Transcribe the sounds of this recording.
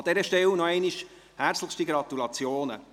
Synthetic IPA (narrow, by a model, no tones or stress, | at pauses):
ɑd̥̪ɛɾəʃtɛwnɔɛɪniʃ | hæɾt͡sləχstiɡɾɑt̪ulɑt͡sjoːnə̰